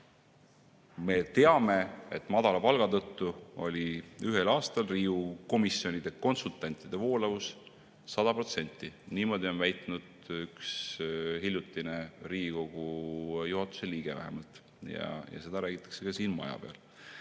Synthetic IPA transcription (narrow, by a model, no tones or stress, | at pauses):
me̞t̪e̞ɑme̞et̪ːˑmɑd̪̥ɑlɑpɑlɡ̥ɑt̪ɤt̪ˑːuo̞lʲiyɦe̞lɑːst̪ɑlriːuko̞misio̞nid̪e̞ko̞nsult̪ˑɑnʲt̪ːˑid̪̥e̞vo̞ːlɑvus | sɑd̪̥ɑpɾro̞t̪se̞nʲt̪ːˑiniːmo̞d̪ʲio̞nvæjt̪nud̪̥ykshilʲjut̪ːˑineriːiko̞ɡ̥ujuɦɑt̪ːˑu̥se̞liːɡ̥e̞væ̰ɦḛmɑlt̪ | jɑ̰jɑ̰se̞d̪̥ɑɾæːɡ̥it̪ːˑɑ̥kse̞kɑsiːnmɑ̰jɑ̰b̥eɑ̰l